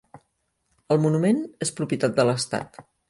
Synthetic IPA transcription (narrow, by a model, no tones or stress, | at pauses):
əlˠmunumenespɾupjiət̪at̪̚d̪ələst̪a̰t̪